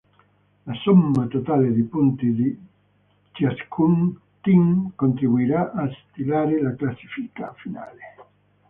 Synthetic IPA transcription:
lasomːat̪ot̪aːled̪ipunt̪id̪i | t͡ʃiaskʰun | t̪iŋkont̪ɾibuiɾaʔːst̪ilaːɾelaklasːi̥fika̰fina̰ːle

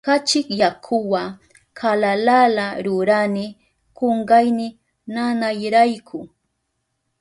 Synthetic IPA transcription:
kat͡ʃɪkjakʰʊwa | kʰalalalaɾʊɾanɪ | koɴɢɑjnɪ | nanajɾajkʰʊ

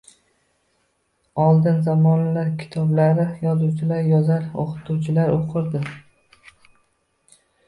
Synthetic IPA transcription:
ɒlˠd̪ɪnzamɒnalaɾkʲʰɪ̥t̪ʰɒblaɾɪjɒzuwt͡ʃʰɪlaɾjɒzaɾo̰qʰɨ̥t̪ʰuwt͡ʃʰɪlaɾoqʰɨɾd̪ɪ

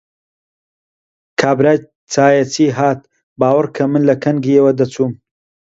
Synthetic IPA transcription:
kʰaːbɾaːj | t͡sʰaːjɐt͡siːɦaːt̪̚ | baːwɐɾkʰɐmɨnlɐkʰɐnɡijɐwɐd̪ɐt͡sʰuːm

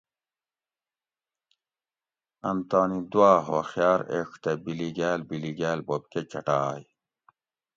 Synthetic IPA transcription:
ɐnt̪aːnid̪waːɦo̰xjaːɾḛkʰt̪ebiliɡæːlbiliɡæːlbob̚ket͡ɕɐ̰ʈaːj

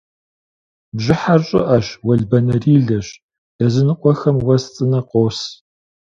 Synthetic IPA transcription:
bʑɪħarɕʼɪ̰ʔɐɕwɐɮbɐnɐriːɮɐɕ | d̥ɐzɨnɨqʷʼɔxɐmwɐst͡sʼɨnɐqʷʼoːs

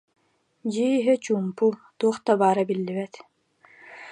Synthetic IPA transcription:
d͡ʑiiɦɛt͡ɕuːmput̪uɔχt̪abaːɾabilːibɛt̪

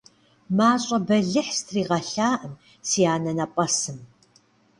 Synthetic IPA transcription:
maːɕʼɐbɐɮɨħstʰriːʁɐɬaːʔəm | siːjaːnɐnɐpʼɐsɨm

